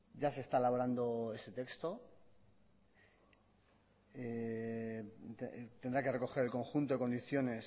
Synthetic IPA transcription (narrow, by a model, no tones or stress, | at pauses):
ɟ͡ʝase̞st̪aelaβo̞ɾand̪o̞e̞se̞t̪e̞kst̪o̞ | e | et̪end̪ɾake̞re̞ko̞xe̞ɾelko̞ŋxunt̪oekond̪iθjo̞ne̞s